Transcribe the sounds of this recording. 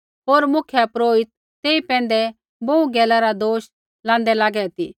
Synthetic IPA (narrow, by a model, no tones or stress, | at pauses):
ɦoːɾmʊkʰjapɾoːɪt̪̚ːeːipɛ̃ːn̆d̪ɛ | boũɡɛːlaɾad̪oːʃ | lãːnd̪ɛlaːɡɛt̪iː